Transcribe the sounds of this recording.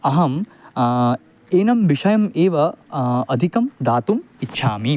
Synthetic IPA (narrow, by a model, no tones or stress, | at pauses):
ɐɦɐm | eːnɐmʋiʂɐjɐmeːʋɐɐd̪ʱikɐmd̪aːt̪um | itːʃʰaːmi